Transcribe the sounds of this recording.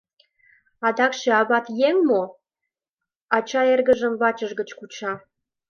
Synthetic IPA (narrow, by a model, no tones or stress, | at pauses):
ɑd̪ɑkʃĕɑβɑt̪jeŋmo | ɑt͡ɕɑerɣəʒəmβɑt͡ɕəʒɡə̆t͡ɕkut͡ɕɑ